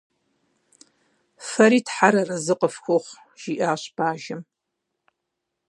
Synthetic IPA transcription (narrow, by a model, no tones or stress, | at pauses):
fɐɾiːtħaɾɐrɐzɨqʼəfxʷoχʷ | ʒ̥iʔaːɕb̥aːʒɪm